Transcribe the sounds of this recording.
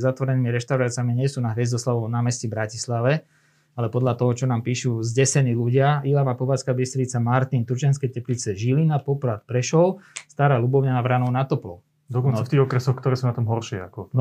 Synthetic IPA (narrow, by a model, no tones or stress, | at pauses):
zat̪ʋɔɾɛniːmiɾɛʃt̪aʊɾaːt͡sɪamiɲɪɛsuːnaɦʋɛzd̪ɔslaʋɔʊnaːmɛscibɾacislaʋɛ | alɛpɔd̪lat̪ɔɦɔt͡ʃɔnaːmpiːʃuzɟɛsɛniːluɟɪaʔilaʋaːpɔʋaːt͡skabist̪ɾit͡samaɾt̪int̪uɾt͡ʃanskɛjcɛplit͡sɛʒilinapɔpɾat̪̚pɾɛʃɔlst̪aɾaːlubɔʊɲaaʋɾanɔʊnat̪ɔplɔ̰ | d̪ɔkɔnaft̪iːɣɔkɾɛsɔxkt̪ɔɾɛːsuːnat̪ɔmɦɔɾʃɪɛa̰kɔn